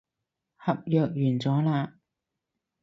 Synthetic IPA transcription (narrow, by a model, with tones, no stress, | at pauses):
hɐ˨p̚jœː˨k̚jyː˨˩nt͡sɔː˨˥laː˧